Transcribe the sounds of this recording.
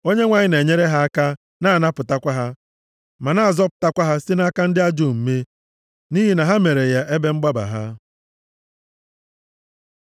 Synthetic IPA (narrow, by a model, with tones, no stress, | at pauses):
o˦ɲe˦ŋʷa˨ɲɪ˦ne˨ɲe˦ɾe˦ɦa˦a˦ka˦ | na˦a˨na˦pʊ˨ta˦kʷa˦ɦa˦ | ma˨na˦˨zɔ˦pʊ̥˨ta˦kʷa˦ɦa˦sɪ˦na˦ka˦n̩˦dɪ˦a˦d͡ʒo˦˨m̩˦me˦ | ni˦ɦi˦na˨ɦa˦me˨ɾe˨ja˦ʔe˦be˦ŋ͡m̩˦ɡ͡ba˦ba̰˨ɦa̰˦